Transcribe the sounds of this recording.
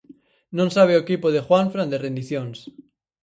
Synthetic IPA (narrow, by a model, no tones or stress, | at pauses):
nõnsaβ̞eokipoðexwaɱfɾãnd̪erẽnd̪iθjõns